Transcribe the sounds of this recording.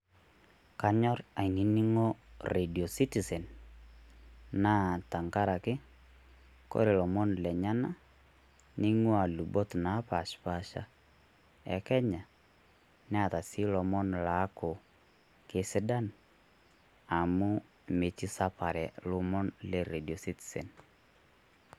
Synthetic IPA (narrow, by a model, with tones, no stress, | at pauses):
ka˦ɲɔ˦ra˨ini˦ni˦ŋo˦re˨di˨o˨si˦ti˨sɛ˨n | naː˦ta˨ŋka˦ɾa˨kɪ˦ | ko̰˦ɾe˨lɔ˨mɔ˦nlɛ˨ɲa˦na˦ | ni˦ŋwa˨lu˨bɔ˦tna˨˦pa˨ʃpa˦ʃa̰˦ | ɛ˨kɛ˦ɲa˨ | nɛ˦a˨ta˨si˦lɔ˨mɔ˦nla˨˦kʊ˨ | ke˨sɪ˦da˦n | a˨mʊ˦ | me˨t͡ʃi˦sa˦pa˨ɾɛ˨lʊ˦mɔ˦nlɛ˦˨ɾe˨di˨ɔ˨si˦ti̥˨sɛ̰˨n